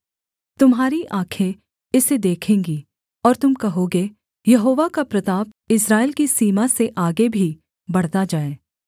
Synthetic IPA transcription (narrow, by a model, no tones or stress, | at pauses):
t̪ʊmɦaːɾiʔaːkʰe | ɪsed̪eːkʰẽːŋɡi | ɔːɾt̪ʊmkɐɦoɡe | jɐɦoːʋakapɾɐt̪aːp | ɪsɾaːɪlkisiːmaseʔaːɡebʱi | bɐɽ̤t̪ad͡ʒaːeː